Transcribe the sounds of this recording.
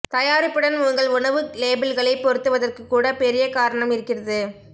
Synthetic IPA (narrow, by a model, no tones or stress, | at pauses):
t̪ɐjaːɾɪpːɯɽɐnʊŋɡɐɭʊɳɐʋɯleːbɪlɣɐɭɐɪpːɔɾɯt̪ːɯʋɐðɐrkɯkːuːɽɐpɛɾɪjɐkaːɾɐɳɐmɪɾɯkːɪrɐðɯ